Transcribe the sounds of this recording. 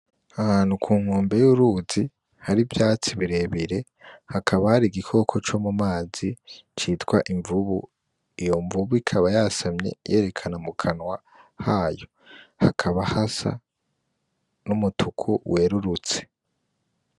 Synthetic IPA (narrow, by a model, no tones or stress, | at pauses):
ahaːnhukʰuːŋ̥uːmbe̞juɾuzi | haɾivjaːt͡siβiɾe̞βiɾe̞ | hakʰaβahaɾiɡikʰo̞kʰo̞t͡ʃo̞ːmumaːzit͡ʃitkwaʔiɱvuβu | ijo̞ɱvuβuikʰaβajaːsamɲe̞̰je̞ːɾe̞kʰanamukʰanwa | haːjo̞ | hakʰaβahasa̰ | numutʰukʰuwʔe̞ːɾuɾut͡se̥